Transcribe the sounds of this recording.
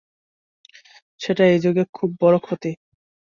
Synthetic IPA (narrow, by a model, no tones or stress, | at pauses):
ʃeʈaejd͡ʑoɡekʰubːɔɾokʰot̪i